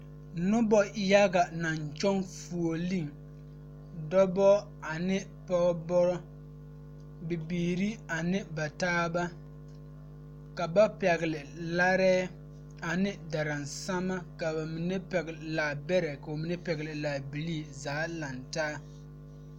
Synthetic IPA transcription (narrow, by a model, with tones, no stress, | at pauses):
nʊ˦bɔ˨˦ja˦ɡa˨na˨ɲt͡ʃɔ˦ŋfu˨o˨li˦˨ŋ | dɔ˦bɔ˦ | a˨nɪ˦ | pɔ˦bɔ˦ɾɔ˦ | bɪ˨biː˨ɾi˦a˨nɪ˦ba˨taː˦ba˦ | ka˨ba˦pɛ˨ɡɪ˨lɪ˨la˦ɾɛː˦ | a˨nɪ˦da˨ɾa˨nsa˦ma˦ka˨ba˨mi˨nɛ˦pɛ˨ɡla˨bɛ˦ɾɛ˨ka˨o˨mi˨nɛ˦pɛ˨ɡɪ˨lɪ˨laː˨bi˨li˦˨zaː˨˦la˨ntaː˦